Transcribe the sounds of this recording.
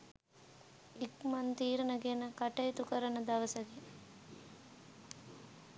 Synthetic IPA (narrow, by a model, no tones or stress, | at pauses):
ikmɐnt̪iːɾɐnɐɡenɐkɐʈɐjt̪ukɐɾɐnɐd̪ɐʋɐsɐɡe